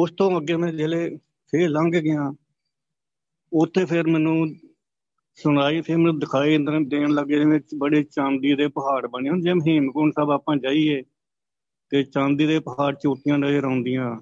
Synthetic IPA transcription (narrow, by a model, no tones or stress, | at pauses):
ʊst̪õːəɡeːmɛ̃ːd͡ʒeːleː | pʰeːɾləŋɡɡɪjãː | ʊt̪ʰːeːpʰɪɾmɛːnũː | sʊnaːit̪ʰeːmɛːnũːd̪ɪkʰaːiːnd̪əɾd̪eːɳləɡeːɛ̃ːbəɽeːt͡ʃãːnd̪iːd̪eːpəɦaːɽbəniːɦʊnd͡ʒeːməɦɪːmkʊːɳsaːbaːpãːd͡ʒaːiːeː | t̪eːt͡ʃãːnd̪iːd̪eːpəɦaːɽt͡ʃoːʈːɪjãːnəleːɾõːnd̪ijãː